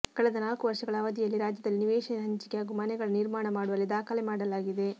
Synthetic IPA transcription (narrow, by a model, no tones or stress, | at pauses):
kɐɭɛd̪ɐnaːlkuʋɐɾʂɐɡɐɭɐːʋɐd̪ijɐlːiɾaːd͡ʒjɐd̪ɐlːiniʋeːʂɐnɦɐɲt͡ʃi̥kejaːɡumɐnɛɡɐɭɐniɾmaːɳɐmaːɽuʋɐlːid̪aːkʰɐlemaːɽɐlaːɡid̪e̞